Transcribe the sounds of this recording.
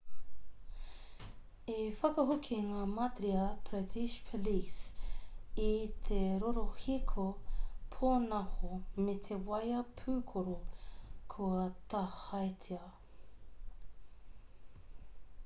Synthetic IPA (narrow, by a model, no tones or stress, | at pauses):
efɐkɐɦokʰiŋaːmɐt̪ɾiɐb̥ɾɪtʰiʃpʰolis | it̪ʰeɾoɾohikʰopʰonɐhomet̪ʰewɐjɐpʰʉːkʰoɾokʰuɐt̪ɐhɐjtʰiɐ